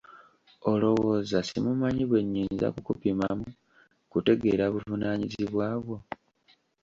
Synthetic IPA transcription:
o̞lo̞wo̞ːzasimumaɲiβwe̞ɲːiːnza̰kukupimamu | kute̞ɡe̞ɾaβuvunaɲiziβwaːβwo̞

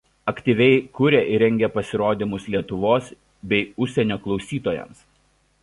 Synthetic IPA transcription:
ɐkt̪ʲiːˑʋʲɛɪkʊɾʲɛʔɪɾʲɛŋʲɡʲɛpɐsʲɪɾoːd̪ʲɪmʊslʲiɛt̪ʊʋoːs | bʲɛɪʊʃʲsʲɛnʲoːklˠɒʊsʲiːt̪oːjɛ̰ms

